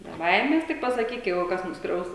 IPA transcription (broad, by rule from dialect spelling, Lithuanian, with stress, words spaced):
bʲɛ ˈbɐɪmʲɛs ˈtʲɪk pɐsɐˈkʲiːk ˈjɛɪɡʊ ˈkɐs nʊsˈkrʲɛʊs